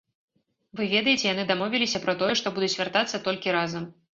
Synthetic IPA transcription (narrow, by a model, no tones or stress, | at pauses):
vɨvʲɛd̪ɐjet͡sʲɛjan̪ɨd̪amɔvʲilʲisʲɐpɾɐt̪ɔjɛʂt̪ɔbud̪ut͡sʲvʲart̪at̪sːɐt̪ɔlʲkʲiɾazɐm